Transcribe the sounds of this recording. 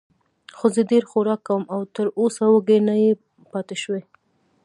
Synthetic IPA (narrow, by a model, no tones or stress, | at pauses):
xozədeɾxoɾɑkːawəmawt̪əɾosawəɡenaje | pɑt̪eʃwe